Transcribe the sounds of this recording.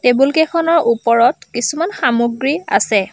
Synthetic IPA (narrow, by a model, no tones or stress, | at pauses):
tebulkekʰɔnɔɹʔupɔɹɔtkisumanxamuɡɹia̰sɛ